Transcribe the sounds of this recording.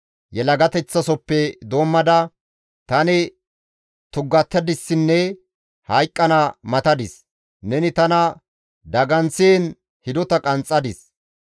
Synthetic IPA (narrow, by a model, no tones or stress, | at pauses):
jɛlɐɡɐt̪ɛt͡sːɐsɔpːɛd̪o̞ːmːɐd̪ɐ | t̪ɐnɪ | t̪ʊɡːɐt̪ːɐd̪ɪsːɪnːɛ | hɐjkʼːɐnɐmɐt̪ɐd̪ɪs | nɛnɪt̪ɐnɐ | d̪ɐɡɐnseːn | hɪd̪ɔt̪ɐkʼɐnt͡sʼːɐd̪ɪs